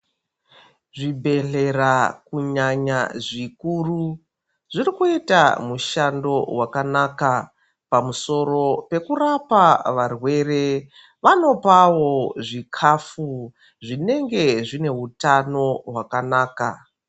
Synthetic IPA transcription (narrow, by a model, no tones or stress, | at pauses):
ʐibʱe̞ɬe̞rakuɲaɲaʐikuru | ʐirikueta̰muʃando̞wakanaːka | pamuso̞ro̞pe̞kurapaʋarwe̞re̞ | ʋano̞pawo̞ʐikʰafu | ʐine̞ŋɡe̞ʐine̞ɦutano̞ɦwakanaːka